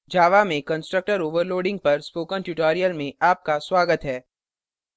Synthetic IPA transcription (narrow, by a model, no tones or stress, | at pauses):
d͡ʒʱaːʋamẽkə̃nsʈɾək̚ʈəɾoːʋəɾloːɖɪ̃ŋɡ̚pɐɾspoːkə̃nʈjuʈɔːɾijəlmẽaːp̚kaswaːɡət̪ɦɛː